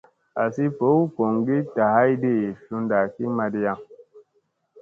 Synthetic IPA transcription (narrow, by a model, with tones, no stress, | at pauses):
a˨si˦po˨˦u˦ko˨ŋɡi˦ta˨ha˦i˦di˦˨fu˦nda˨ki˦ma˦di˦ja˦˨ŋ